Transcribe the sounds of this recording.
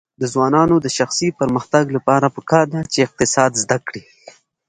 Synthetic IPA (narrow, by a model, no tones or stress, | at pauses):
d̪əzwɑnɑnod̪əʃaxsipəɾməxt̪aɡlapɑɾapəkɑɾd̪at͡ʃeɪq̚t̪ɪsɑd̪zd̪akɽi